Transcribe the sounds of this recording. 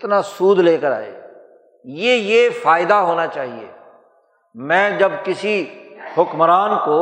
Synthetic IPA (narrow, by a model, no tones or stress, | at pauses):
t̪nasuːd̪leːkəɾa̰ːḛː | jeːjeːfʰaːɪd̪aɦoːnat͡ʃaːɦiḛː | mɛ̃ːd͡ʒɐbkɪsihʊkmɾaːnkoː